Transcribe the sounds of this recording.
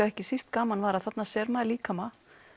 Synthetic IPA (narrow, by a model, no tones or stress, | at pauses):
aɛhcɪsist̪kaːmanvaːɾaðθat̪nasɛɾmaðliːkama